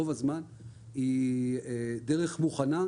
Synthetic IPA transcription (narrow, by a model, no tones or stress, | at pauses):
ovazman | iede̞ʁe̞χmuχana